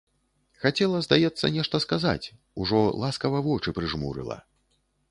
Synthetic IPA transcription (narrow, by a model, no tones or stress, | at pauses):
xat͡sʲɛlˠɐzd̪ajɛt̪sːɐ̰nʲɛʂt̪ɐskaza̰t͡sʲ | uʐɔlˠaskɐvɐvɔt͡ʂɨpɾɨʐmṵɾɨ̰lˠɐ̰